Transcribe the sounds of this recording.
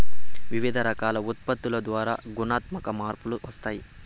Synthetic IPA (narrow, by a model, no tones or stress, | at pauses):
ʋiʋid̪ʱɐɾɐkaːlɐut̪̚pɐt̪ːulɐd̪ʋaːɾaːɡunaːt̪mɐkɐmaːɾpuluʋɐst̪aːji